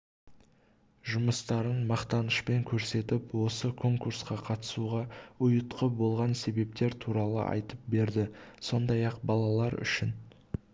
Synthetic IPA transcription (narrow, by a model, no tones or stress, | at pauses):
ʒʊməst̪ɑɾənmɑqt̪ɑnəʃpe̞ŋkʲʰɵɾse̞t̪ɪpwo̞səkʰo̞ŋkuɾsqɑqʰɑt̪ə̥suʁɑʊjət̪qəbo̞lˠʁɑnse̞be̞p̚t̪e̞ɾt̪ʰuɾɑlˠə̰ʔɑ̰jt̪əp̚be̞ɾd̪ɪso̞nd̪ɑjɑqbɑlˠɑlˠɑɾʏ̰ʃɪn